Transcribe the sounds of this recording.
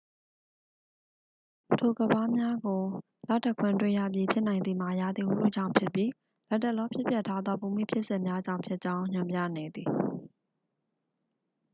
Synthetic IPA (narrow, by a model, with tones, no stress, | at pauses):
tʰo˨ɡə˨ba˦mja˦ɡo˨ | la̰˦˨ta˦˨kʰwɪ̃˨ntwḛ̃˦˨ja̰˦˨p̬ji˦pʰjɪ˦ʔnã˨ɪ̃nd̪i˨m̥a˨ja̰˦˨d̪i˨u˦l̥o̰˦˨d͡ʑã̰˦˨ʊ̃pʰjɪ˦˨pji˦ | lɛ˦tːɛ˦ʔlɔ˦pʰjɪ˦pjɛ˦˨tʰːa˦d̪ðɔ˦pu˨mḭ˦˨pʰjɪ˦ʔsɪ̃˦˨mja˦d͡ʑã˦˨ʊ̃mpʰjɪ˦ʔt͡ɕã˦ʊ̃ɲʊ̃˨mpja̰˦˨nɛ˨d̪ði˨